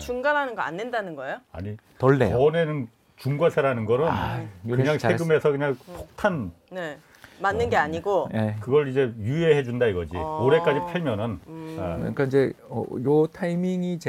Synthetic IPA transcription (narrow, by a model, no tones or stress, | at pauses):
t͡ɕuŋɡanɦanɯnɡʌa̰nːendanɯnɡʌejoa̰ɲi | tʌɭːḛʌnenɯn | t͡ɕuŋɡwasʰeɾanɯnɡʌɾɯnkɯɲaŋsʰeɡɯme̞sʰʌkɯɲaŋpʰok̚tʰan | ne̞ | manːɯnɡe̞aɲiɡoekɯɡʌɾid͡ʑe̞jueɦe̞d͡ʑundaiɡʌd͡ʑḭoɾe̞k͈ad͡ʑipʰeɭmjʌnɯn | ɲik͈aid͡ʑe̞ | ʌ̰jotʰaimiŋit͡ɕ